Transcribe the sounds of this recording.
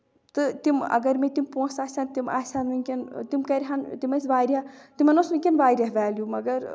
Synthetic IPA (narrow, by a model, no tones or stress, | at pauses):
t̪ɨt̪imɐ̰ɡɐɾmet̪impõːsaːsʲant̪imaːsʲanʋɨŋʲkʲɐnt̪imkɐɾʲɦant̪imɐs̬ʋaːjɾʲat̪imɐnosʋɨŋʲkʲɐnʋaːɾʲjaɦʋaːljumɐɡɐɾ